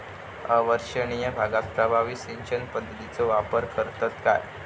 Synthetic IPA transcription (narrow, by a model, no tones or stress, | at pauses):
əʋəɾʂəɳijəbʱaɡat̪̚pɾəbʱaʋisent͡ɕənpəd̪ʱːət̪it͡sɔʋapəɾkəɾt̪ət̪ka̰j